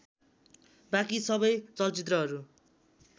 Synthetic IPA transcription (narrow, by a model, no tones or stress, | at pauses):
bakisʌbʌjt͡sʌlt͡sit̪̬rʌɦʌɾu